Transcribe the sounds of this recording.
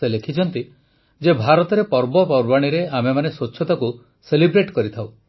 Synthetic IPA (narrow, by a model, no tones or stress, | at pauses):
elekʰit͡ʃʰɔnt̪i | d͡ʒebʱaɾɔt̪ɔɾepɔɾbɔpɔɾbaɽ̃iɾeamemanesut͡ʃʰːɔt̪aku | selibɾeʈkɔɾit̪ʰaw